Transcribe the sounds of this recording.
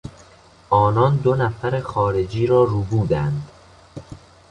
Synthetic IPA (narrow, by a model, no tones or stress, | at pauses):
ʔɒːnɒːnd̪onæfæɾexɒːɾe̞d͡ʒiːɾɒːɾuːbuːd̪ænd̪